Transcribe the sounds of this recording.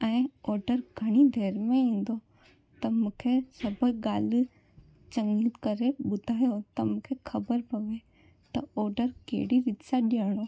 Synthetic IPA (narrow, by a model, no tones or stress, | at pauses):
ɛ̃ːɔːɾɖəɾɡʱɐɽ̃id̪ʱeːɾmẽĩːn̆d̪o | t̪ɐmukʰesɐbəɡaːli | t͡ʃɐ̃ŋɡit̪kɐɾeɓʊd̪ʱaːjot̪ɐmukʰekʰɐbəɾpɐʋe | t̪ɐɔːɾɖəɾkḛːɽiɾɪt̪saɗiəɽ̃o